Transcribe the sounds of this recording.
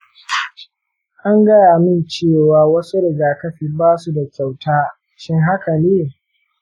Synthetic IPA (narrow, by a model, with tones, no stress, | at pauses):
ʔa˦ŋɡɐ˦jaː˨mɪ˦nt͡ʃeː˦˨waː˨wɐ˦su˦ɾɪ˨ɡaː˨kɐ˦ɸiː˨baː˦su˦da˨kʲa˨wtaː˦ | ʃɪ˦ŋɦa˦kɐ˨neː˦